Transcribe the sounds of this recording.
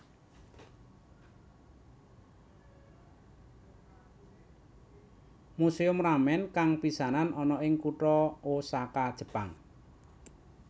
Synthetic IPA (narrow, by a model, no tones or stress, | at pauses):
museʊmramɛnkaŋpisananɔnɔɪŋkuʈɔosakad̥ʒ̥ə̤pa̰ŋ